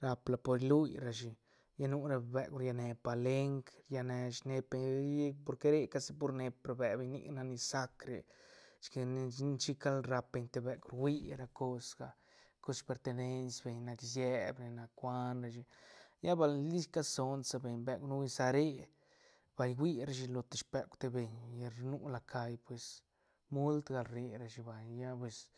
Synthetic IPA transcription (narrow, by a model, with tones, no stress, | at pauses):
ɾa˧pla˧po˧ɾlu˦jɾa˨ʃi˨ | ja˦nu˦ɾa˧˨be˧ɡɾja˧ne˧pa˨le˦ŋkja˧ne˧ʃne˧pe˧˨˦po˧ɾke˦ɾe˦˧ka˧si˦po˧ɾne˧pɾa˧be˨be˨ɲnḭ˧ɡna˧ni˧sa˦kɾḛ˨ʃke˧n˧˦t͡ʃi˦ka˦lɾa˧pe˧ɲt̪e˧be˧ɡu˧ɾwʷi˦ɾa˧ko˦sɡ̥a˧˨ | ko˦spe˧ɾt̪e˧ne˧nsbe˨ɲna˧ksje˦bɾe˧na˧kʷa˦nɾa˧ʃ̬i˧ja˦ba˧lli˦ska˦so˧nsa˧be˨ɲbe˧kʷnu˦wi˧sa˧ɾe˦ | b̥a˨jɡʷi˦ɾa˧ʃi˧lo˧t̪e̥˨ʃpe˧kʷt̪e˧be˨ɲ˧ɾnu˦la˧kʰa˧jpwe˨s | mu˦lt̪ɡa˧lɾe˧ɾa˧ʃi˧ba˨jja˦pwe˨s